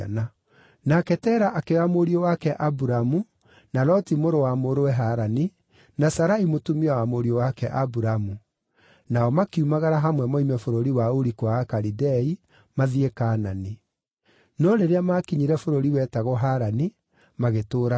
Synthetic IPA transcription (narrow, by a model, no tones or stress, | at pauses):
na | nakɛtɛːɾaʔakeamoɾiowakɛʔabuɾamu | nalɔtimoɾowamoɾowɛɦaɾani | nasaɾaimotumiawamoɾiowakɛʔabuɾamu | naɔmakiumaɣaɾaɦamwɛmɔimɛfoɾoɾiwaoɾikwaːkaɾidɛi | maðiekaːnani | nɔɾeɾeamakiɲiɾɛfoɾoɾiwɛtaɣɔɦaɾani | maɣetoːɾa